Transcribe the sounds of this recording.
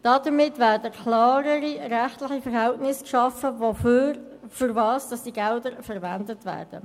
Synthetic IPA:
d̥ɑdəmɪtʋæːɾdəkʰlɑːɾəɾiɾæχtlɪχifəɾɦɛltnɪskʃɑfəvo | fyɾvɑːsd̥ɑsd̥iɡɛldəɾfəɾvændətʋæ̰ːrd̥ə̰

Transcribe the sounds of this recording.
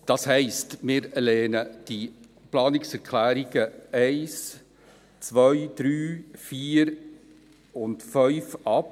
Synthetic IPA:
d̥ɑshɛɪstmɪːɾlɛːnəd̥i | plɑːnɪksɛɾkʰlæːɾiɡ̥əɛɪs | t͡sʋœɥd̥ɾyːfiːɾ | ʊntfœʏfɑp

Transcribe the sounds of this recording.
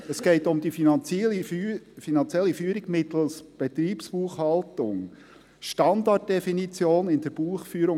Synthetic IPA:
əsɡ̥ɛɪtʊmd̪ifinɑnt͡sifinɑnt͡sjɛlːifyːəɾɪɡmɪt̪l̩sb̥ɛt̪ɾiːpspuːχhɑltʊŋ | ʃtɑnd̪ɑt̚d̥ɛfinit͡sjoːnɪnd̪əɾb̥uːχfyːəɾʊ

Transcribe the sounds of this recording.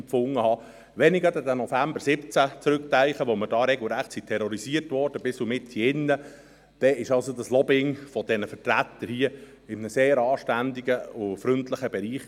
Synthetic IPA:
fʊŋːəhɑ | ʋɛnɪɡədɛdənɔfæmbəɾsɪpt͡sæt͡sɾʏk̚tæɪχəʋomədɑːɾɛɡl̩ˠɾæχtsit̪ʰɛɾɔɾisiərtʋɔrd̥əbɪsumɪthiɪnːə | d̥ɛɪʃɑlsod̪əslɔbɪŋfɔd̥̪ɛnəfəɾtɾæt̪ːəɾhiə | ɪmənəseːɾɑːʃtænd̪iɡəʊfɾʏntləχəbɛɾiːχ

